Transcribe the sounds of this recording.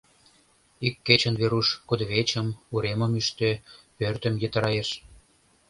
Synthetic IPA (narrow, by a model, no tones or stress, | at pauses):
ikːet͡ɕə̆nβeɾuʃkud̪əβet͡ɕə̆muɾemə̆myʃt̪øpørt̪ə̆mjĕt̪ə̆ɾɑjeʃ